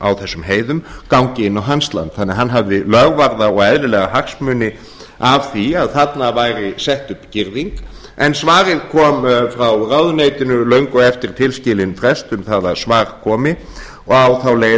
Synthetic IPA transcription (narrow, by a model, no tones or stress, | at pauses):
a̰wθɛsːʏmɦeːjðʏmkawŋcɪɪnːawɦanst̪la̰nt̪θanːɛaɦanːɦavðɪlœɣvaɾðaɔɣɛðɾɪlɛːɣahaksmʏːnɪ | avθiaðθat̪navaːjɾɪsɛht̪ʏpcɪɾðiŋk | ɛnsvaːɾɪðkʰɔːmfɾawrawðʏnejt̪ɪnʏlœɥŋkʏɛft̪ɪɾ̥t̪ʰɪlscɪːlɪnfɾɛst̪ʏmθaðaðsvaːɾkʰɔːmɪ | ɔɣawθawleːj